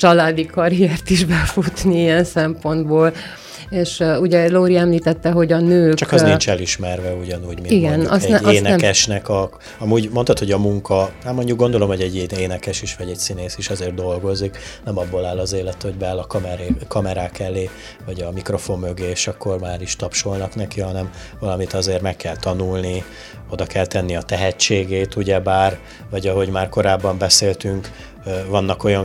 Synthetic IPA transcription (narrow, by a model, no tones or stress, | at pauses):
t͡ʃɒlaːd̪ikɒɾiɛrt̪iʒbɛfut̪niiɛnsɛmpo̞nd̪boːl | eːʃuɟɛloːɾiɛmliːt̪ɛt̪ːɛɦo̞ɟɒnøːkt͡ʃɒkɒzniɲt͡ʃɛliʃmɛrvɛuɟɒnuːɟmiiɡɛnɒ̰sɛnɛeːnɛɛmkɛʃnɛkɒ | ɒmuːɟmo̞nt̪ɒt̪ho̞ɟɒmuŋkɒaːmo̞ɲɟukɡo̞nd̪o̞lo̞mhoɟɛɟːeeːnɛkɛʃiʃʋɒɟɛcsineːsiʃɒzeːrd̪o̞lɡo̞ziknɛmɒbːolaːlːɒzeːlɛt̪ho̞ɟbɛlːɒkɒmɛɾeːkɒmɛɾaːkɛleː | vɒɟɒmikro̞fo̞mːøɡeːʃɒkːo̞rmaːɾiʃt̪ɒpʃo̞lnɒkn̪ɛkiɦɒnɛm | vɒlɒmit̪ɒzeːrmɛkːɛlt̪ɒnulni | o̞d̪ɒkɛlt̪ɛnːiɒt̪ɛɦɛt͡ʃːeːɡeːt̪uɟɛbaːr | vɒɟɒɦo̞ɟmaːrko̞ɾaːbːɒmbɛseːlt̪yŋk | vɒnːɒko̞jɒn